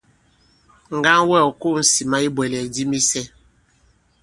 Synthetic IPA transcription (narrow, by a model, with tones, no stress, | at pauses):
ŋ̩˨ɡa˦ŋwɛ˦˨ɔ˨ko˦˨n̩˦si˨ma˦i˦bwɛ˨lɛ˨di˦mi˦sɛ˦